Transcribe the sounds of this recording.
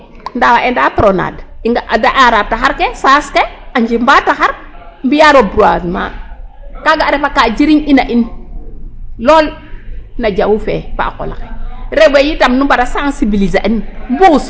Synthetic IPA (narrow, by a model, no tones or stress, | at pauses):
ndawaʔendapɾona̰diŋɡaʔadaʔaɾataxaɾkesaskeaɲd͡ʒimbataxaɾmbijaɾobɾuazma̰ | kaɡaːɾepakad͡ʒiɾiɲinaʔin | loːl | nad͡ʒawufḛpa̰ːko̰la̰keɾeɡejitamnubaɾasansibilizaʔinmbus